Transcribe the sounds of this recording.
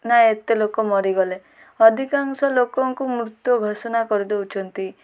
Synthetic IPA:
naet̪elokɔmɔɾiɡɔle | ɔd̪ʱikaŋsɔlokɔŋkumɾut̪jɔɡʱɔsɔnakɔɾid̪eut͡ʃʰɔnt̪i

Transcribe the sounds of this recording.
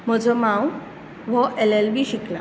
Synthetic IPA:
m̤əd͡zʱəmãw | ʋəʔelelbiːɕikla̰

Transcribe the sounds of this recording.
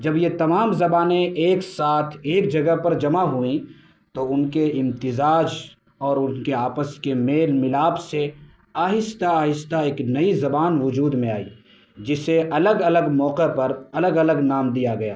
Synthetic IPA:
d͡ʒɐbjet̪ɐmaːmzɐbaːnẽeːksaːt̪ʰeːk̚d͡ʒɐɡəpɐɾd͡ʒɐmaɦuĩ | t̪oʊnkeɪ̃mt̪ɪzaːd͡ʒ | ɔːɾʊnkeaːpəskemeːlmɪlaːbse | aːɦɪst̪aaːɦɪst̪aeːknɐizɐbaːnʋʊd͡ʒuːd̪mẽaːḭː | d͡ʒɪseʔɐləɡɐləɡmɔːqepɐɾɐləɡɐləɡnaːmd̪ijaɡɐja̰ː

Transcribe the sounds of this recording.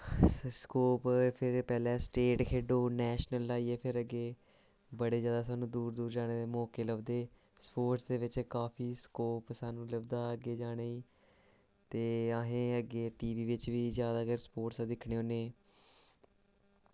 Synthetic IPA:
skoːppʰɪɾpɛːlɛ̃ːsʈeːʈkʰeːɖoːnɛːʃnəlːaːiːeːpʰɪɾəɡeː | bəɽeːzjaːd̪aːsaːnũːd̪uːɾd̪uːɾd͡ʒaːɽ̃eːd̪eːmɔːkeːləʋd̪eː | spoːɾʈsd̪eːʋɪt͡ʃkaːpʰiːskoːpsaːnũːləbd̪aːəɡeːd͡ʒaːɽ̃eːiː | t̪eːaːɦẽːəɡeːʈiːʋiːʋɪt͡ʃʋiːzjaːd̪aːkəɾspoːɾʈsad̪ɪkʰɽeːõːneː

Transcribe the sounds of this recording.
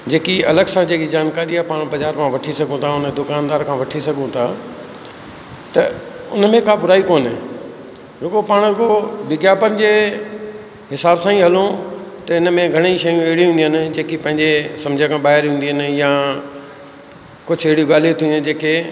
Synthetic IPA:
d͡ʑeːkiɐləɡsãd͡ʑeːkid͡ʑaːnkaːɾiaɦpaːɽ̃bɐzaːɾmʰãʋɐʈʰisɐɡʱũt̪ʰaʊnd̪ʊkaːnd̪aːɾkʰãʋɐʈʰisɐɡʱũt̪ʰaː | t̪ɐ | ʊ̰nmẽkaːbʊɾaːikoːnɛː | d͡ʑoːkopaːɽ̃koʋɪɡjaːbənɪ̆d͡ʑeː | ɦɪsaːbsãːĩɦɐlõt̪ɐɪnmẽɡʱɐɽ̃eiʃɐjũeɦɪɽiɦĩːnd̪inɪ̆d͡ʑeːkipɐ̃ɦɪ̃ɲd͡ʑesɐ̃md͡ʑʱãkʰãɓaːɦɪɾɦĩːn̆d̪iənɪ̆jã | kʊd͡ʑʱʰeɦɪɽijũɡaːl̤ijũt̪ʰĩːnnd͡ʑeːke

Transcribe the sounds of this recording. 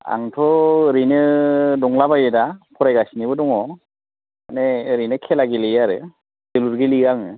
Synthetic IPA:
a̰ŋtʰɔɾinɯdɔŋlabajɯdapʰɔɾajɡasinibɯdɔŋɔ | aneɾinɯkʰelaɡelejaɾɯ | deluɾɡeliɡaŋɯ

